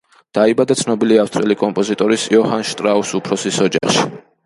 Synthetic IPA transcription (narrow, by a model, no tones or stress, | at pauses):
d̪̥aibad̪at̪sʰnɔbiliafst̪ʼɾɛlikʼɔmpʼɔzit̪ʼɔɾisiɔhanʃt̪ʼɾausupʰɾɔsisɔd͡ʒa̰χʃi̥